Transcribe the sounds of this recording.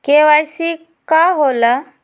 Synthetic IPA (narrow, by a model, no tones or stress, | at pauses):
keʋajsi | kaɦolə